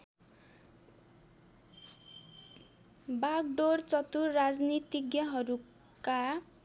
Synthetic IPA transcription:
baɡɖort͡sʌt̪urad͡znit̪iɡjʌɦʌɾu | ka

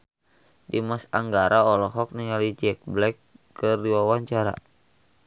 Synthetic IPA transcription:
dimasaŋɡaɾaɔlɔɦɔk̚niŋalid͡ʒɛk̚blɛkː | ɨrdiwawaɲt͡ʃaɾa̰

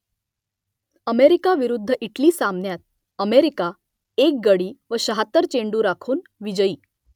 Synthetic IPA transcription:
əmeɾikaʋiɾud̪ʱːəʔiʈliːsamnjat̪̚ | əmeɾika | ek̚ɡəɽiːʋəɕəɦat̪əɾt͡ɕeɳɖuːɾakʰuːnʋid͡ʑəiː

